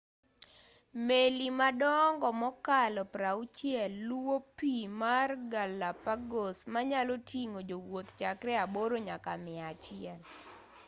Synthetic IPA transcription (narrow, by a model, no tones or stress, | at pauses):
melimadɔŋɡɔmɔkalɔpɾaut͡ʃjɛlːwopimarɡalapaɡosmaɲalotiŋod͡ʒowot̪t͡ʃakɾɛaboɾoɲakamɪat͡ʃɪɛl